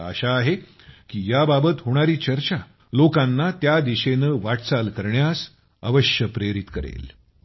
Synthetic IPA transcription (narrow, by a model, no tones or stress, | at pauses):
ə̰ɕaːɦe | kiːjababət̪ɦoɽ̃aɾiːt͡ɕəɾt͡ɕa | lokanːat̪jad̪iɕenəːʋaʈt͡salkəɾɳjas | ə̰ʋəɕjəpɾeɾit̪kəɾḛl